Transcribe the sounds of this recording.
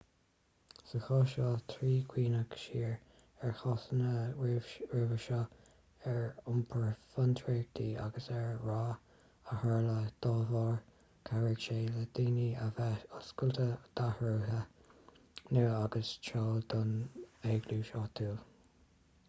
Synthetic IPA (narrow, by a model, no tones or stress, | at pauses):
səxɑːʃɑːt̪ʰɾiːkʰwiːnəkʃiːɹ | ɛɹxɑsənə | ɹɪvəʃɑː | ɛɹʊmpʰəɹfant̪ʰɹeɡ̚t̪ʰiːa̰ɡəsɛɹɹaː | əhɑɹləd̪̥ɑːvɑːɹ | kʰaɹəɡʃeːləd̪̥iːniɔskʊlt̪ʰəd̪̥ahɹuːɦə | nəaɡəst͡ʃʰɑːd̪ʊneːɡluːʃɑːt̪ʰuːl